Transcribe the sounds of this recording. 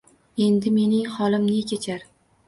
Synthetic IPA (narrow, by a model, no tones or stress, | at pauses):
e̞nd̪ɪme̞nɪŋhɒlˠɪmnɪkʲʰet͡ʃʰaɾ